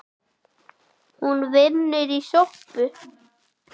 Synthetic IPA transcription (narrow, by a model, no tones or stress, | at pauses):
hunvɪnːʏɾisohpʏ